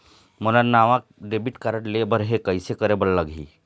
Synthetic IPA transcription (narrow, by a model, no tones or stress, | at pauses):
mənannaʋãk̚ɖebiʈkaɾəʈlebəɾɦekəjsekəɾebəllaɡḭː